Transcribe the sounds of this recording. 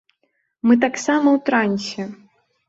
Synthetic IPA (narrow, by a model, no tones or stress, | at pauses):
mɨt̪̬aksamɐwt̪ɾanʲsʲɛ